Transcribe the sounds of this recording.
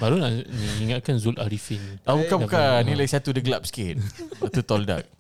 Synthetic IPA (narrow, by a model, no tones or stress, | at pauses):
baɾunaʔniiŋat̪̚kanzʊlaɾifinabukabkanĩlaisat̪udəɡlap̚sə̥kɪt̪̚bat̪ut̪ɔlda̰k̚